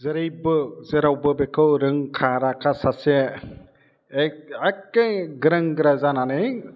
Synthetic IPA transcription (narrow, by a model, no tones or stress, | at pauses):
zɯɾejbɯzeɾawbɯbekʰɯwɾɯŋkʰaɾakʰasase | akːejɡɯɾaŋɡɯɾazananɯj